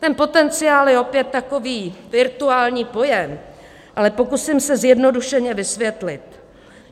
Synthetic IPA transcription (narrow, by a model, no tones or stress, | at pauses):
t̪ɛnpo̞t̪ɛnt͡sɪaːljɛo̞pjɛt̪ːako̞viːvɪɾt̪uaːlɲiːpo̞jɛm | ʔalɛpo̞kusɪmsɛzjɛdno̞duʃɛɲɛvɪsvjɛt̪lɪt̪